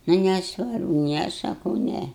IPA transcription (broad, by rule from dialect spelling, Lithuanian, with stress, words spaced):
ˈnʊ nʲɛˈsʋɐrbʊ ˈnʲɛ sɐˈkɐʊ ˈnʲɛ